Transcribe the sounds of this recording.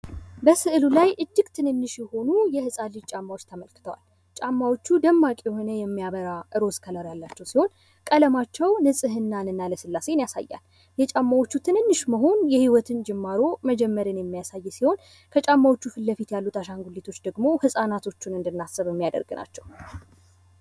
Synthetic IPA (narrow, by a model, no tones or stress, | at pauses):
bəsɨʔlulajʔɨd͡ʒːɪɡt̪ʰɨnɨnːɨʃjɛho̞nujɛhɨsʼalit͡ʃʼamːawot͡ʃːt̪ʰəməlkʰɨ̥t̪ʰəwa̰l | t͡ʃʼamːawot͡ʃːud̪əmːakʼejho̞nəjɛmːijaβəɾaʔɨɾo̞skʰələɾjalːat͡ʃːɛwsiho̞n | kʼələmat͡ʃːɛwnɨsʼɨɦɨnːanɨnːaləsɨlːase̞njasa̰jːa̰l | jɛt͡ʃʼamːawo̞t͡ʃːut̪ʰɨnɨnːɨʃməɦo̞njɛhiwɔt̪ʰɨnd͡ʒɛmːaɾo̞məd͡ʒɛmːəɾɨnjɛmːijasajːsiho̞n | kʰət͡ʃʼamːawo̞t͡ʃːufɨlːəfit̪jalːut̪ʰaʃaŋɡulːit̪ʰo̞t͡ʃːd̪əɡmo̞hɨsʼanat̪ʰo̞t͡ʃːunɨnd̪ɨnːasɨβjɛmːijad̪ə̰ɾɡɨnʔa̰t͡ʃːɛw